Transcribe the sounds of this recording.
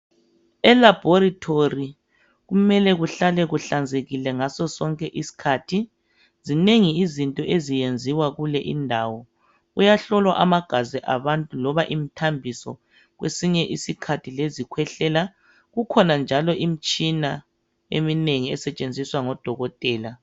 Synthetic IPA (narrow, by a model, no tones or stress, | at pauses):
ɛlab̥ʱɔɾitʰori | ɣumɛlɛɣuɬalɛɣuɬand͡zʱeɣilɛŋasɔsɔŋkʼɛʔisi̥kʰatʰi | zineŋiːzintʼɔʔezijend͡zʱiwaɣulɛʔindʱawɔ | ujaɬɔlwa̰ʔamaɡ̥ʱazɛʔaβantʼulɔβaʔimitʰambʱisɔ̰ | ɣwḛsiɲɛʔisikʰatʰilezikʰwɛɬɛːla | ɣukʰɔnand͡ʒʱalɔʔimit͡ʃʼina | ḛmineŋiɛsɛt͡ʃʼend͡zʱiswaŋɔd̥ʱɔɣɔtʼɛːla